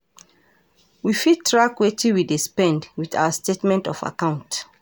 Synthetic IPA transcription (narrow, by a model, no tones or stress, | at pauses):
wifitʰːɹakwetʰĩwidespɛ̃ndwiθa̰wəstetmɛ̃ntɔfa̰kãʊ̃nt